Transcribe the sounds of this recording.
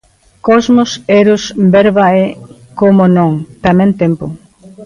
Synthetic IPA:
kɔzmoseɾʊsbɛɾβae | komonõŋt̪amɛ̃nt̪empʊ̰

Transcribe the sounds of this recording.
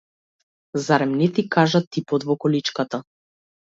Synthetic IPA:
zaɾɛmnɛt̪ikaʒat̪ipɔt̪vɔkɔlit͡ʃkat̪a

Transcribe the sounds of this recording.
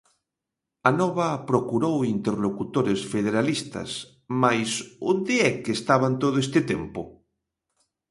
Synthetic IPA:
anɔβapɾokuɾowint̪eɾlokut̪oɾesfeð̞eɾalist̪a̰s | majsund̪eɛkeːst̪aβant̪oðoest̪et̪empo

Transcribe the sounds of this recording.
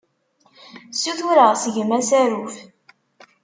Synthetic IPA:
sːuθuɾəʁsəʝəmæsæɾuf

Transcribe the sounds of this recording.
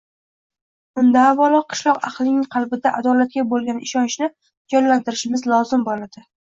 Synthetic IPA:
bʊnd̪aːvːalˠɒqqʰːɨ̥ʃlˠɒqɑ̰qlˠɪnɪŋqʰɑlˠbɪd̪aʔad̪ɒlat̪̚kʲabolˠɡʲanɪʃɒnɪʃnɪ | d͡ʒɒnlant̪ɪɾɪʃɪmɪzlˠɒzɪmbolad̪̥ɪ

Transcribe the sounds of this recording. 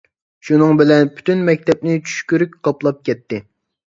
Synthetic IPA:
ʃunɨŋbɪlɛnpʰy̥t̪ynmɛk̚ʲt̪ɛp̚nɪt͡ʃʰy̥ʃkʲyɾykʲqɑplˠɑp̚kʲɛt̪ːɪ

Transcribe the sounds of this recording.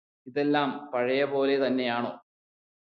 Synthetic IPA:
iðe̞lːaːmpɐɻɐjɐpo̞ːle̞t̪ɐnːe̞jaːɳo̞̰ː

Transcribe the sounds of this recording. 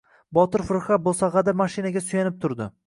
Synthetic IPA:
bɒt̪ɪɾfʊɾχat̪̚bolˠsaʁɑd̪amaʃɪnaɡʲasʊjanɪp̚t̪ʰʊɾd̪ɪ

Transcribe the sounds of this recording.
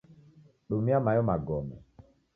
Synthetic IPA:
ɗomiamajɔmaɡɔmɛ̰

